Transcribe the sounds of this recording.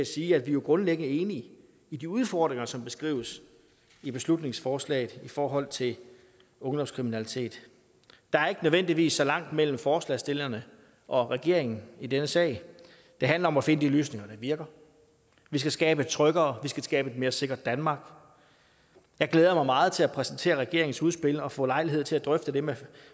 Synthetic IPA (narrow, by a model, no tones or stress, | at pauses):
æsiːæd̥ʋijoɡ̥ʁɔ̽nleɡ̥ənəe̝ːni | id̥iuð̞ˠfɒːd̥ʁeŋɐsɒ̽mb̥e̝sɡ̥ʁḭːʊəs | ib̥e̝slud̥ne̝ŋsfɒːslɛ̰ɪð̩ˠifɒːɦɒ̽l̰t͡sʰe̝l | ɔ̽ŋd̥ɒ̽mskʰʁiminælit͡sʰe̝̰ːd̥ | d̥ɑ̈æɐe̝ɡ̥ənøʋen̰d̥iʋḭːsːɒ̽lɑ̈ŋ̰d̥mel̰m̩fɒːslɛsd̥e̝lɐnə | ʔɒ̽ʁɛɡ̥e̝ɐ̰e̝ŋn̩id̥enəsɛ̰ːɪ | d̥e̝ɦænlɐɒ̽mæfe̝nəd̥iløːsne̝ŋɐd̥ɑʋiɐɡ̥ɐ | ʋisɡ̥æsɡ̥ɛːb̥ə̥t͡sʰʁœɡ̥ɐːʋisɡ̥æsɡ̥ɛːb̥əe̝d̥̚me̝ːɐse̝ɡ̥ɐd̥ːænmɑ̈ːɡ̥ | jɑ̈ɪɡ̥leːð̞ˠɐmɑ̈ɪmɑ̈ːð̞̩ˠt͡sʰe̝læpʰʁɛsn̩t͡sʰe̝̰ːɐʁɛɡ̥e̝ɐeŋn̩suðˠsb̥e̝lɒ̽fɔ̰̽ːlɑ̈ɪliɦe̝ð̞̰ˠt͡sʰe̝læd̥ʁœfd̥əd̥eme